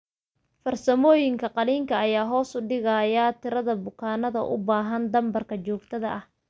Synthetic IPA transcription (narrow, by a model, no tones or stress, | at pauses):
fɐrsɐmɔːjɪŋkʰɐqɑliːŋkʰɐːjaːɦɔːsʊɖɪɣɐjɐt̪ʰɪɾɐðɐbʊkʰaːnɐðɐ̰ʔʊ̰baːɦɐnd̪ɐmbɐrkʰɐt͡ʃɔːɡt̪ʰɐðɐʔɐh